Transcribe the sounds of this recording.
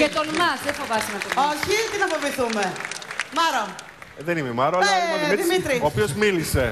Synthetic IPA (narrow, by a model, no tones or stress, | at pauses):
kɐt̪olmɐsðefovɐst̪nɐt̪oloçit̪enɐfoviθumemɐɾo | ðenimemɐɾoɐlɐiðimit̪ɾiopiozmilise